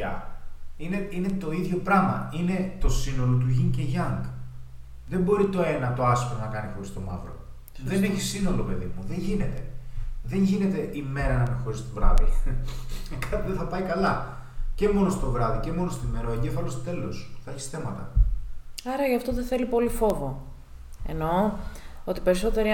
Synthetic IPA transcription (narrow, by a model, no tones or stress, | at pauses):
ɐ̰ineine̞t̪o̞iðʝo̞pɾɐmɐ̰ine̞t̪o̞sino̞lo̞t̪uʝiŋceʝɐŋɡ | ðembo̞ɾit̪o̞e̞nɐt̪o̞ɐsi̥xonɐkɐnixo̞ɾist̪o̞mɐ̰vɾo̞̰ | ðene̞çisino̞lo̞pe̞ðimuðe̞ɲʝine̞t̪e̞ðe̞ɲʝine̞t̪e̞ʔime̞ɾɐnɐinexo̞ɾist̪ovɾɐ̰ði | kɐt̪iðeθɐpɐikɐlɐ | ce̞mo̞nost̪o̞vɾɐðice̞mo̞nost̪oime̞ɾɐoe̞ɲɟe̞fɐlo̞st̪ot̪e̞losθɐeçi̥sθe̞mɐt̪ɐ | ɐɾɐʝɐft̪o̞ðeθe̞lipo̞lifo̞vo̞ | e̞̰no̞ | ot̪i̥pe̞ɾiso̞t̪e̞ɾi